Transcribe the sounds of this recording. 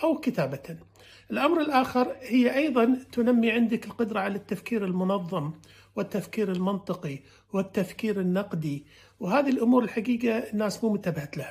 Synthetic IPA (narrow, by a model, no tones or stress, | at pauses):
ʔawkɪt̪aːba | ʔɪlʔamɾɪlʔaːxɑɾˤhɪjːʔɑjðˤɑnt̪ʊnamːiʕɪnd̪ɪkɪlqʊd̪ɾˤɑʕalat̪ːafkiːɾɪlmʊnɑðˤːɨm | wɪt̪ːafkiːɾɪlmɪnt̪ˤɨqi | wɪt̪ːafkiːɾɪnːɑqd̪i | wɦaːðilʔʊmuːɾɪlħaɡiːɡaɪnːaːsmuːmʊt̪aːbahat̪lah